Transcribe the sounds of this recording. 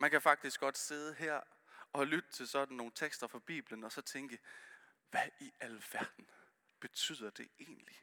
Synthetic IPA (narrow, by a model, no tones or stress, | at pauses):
mænkʰæfɑ̈ɡ̥̚d̥isɡ̥ɒ̽d̥se̝ð̞ˠəɦeɐ̰ | ɒ̽lyd̥ət͡sʰe̝lsɒ̽d̥n̩no̝ːn̩t͡sʰeɡ̥sd̥ɐfɒ̽b̥ḭːb̥lənɒ̽sɒ̽t͡sʰeŋɡ̥ə | ʋæʔiælʋæɐd̥n̩ | b̥e̝t͡sʰy̰ːð̰ˠɐd̥e̝ʔe̝̰ːnli